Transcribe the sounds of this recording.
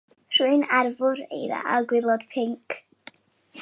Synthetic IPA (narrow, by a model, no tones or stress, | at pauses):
r̥uɨnarvʊɾḛjða̰ʔaɡwɪlˠɔd̥pʰɪŋkʰ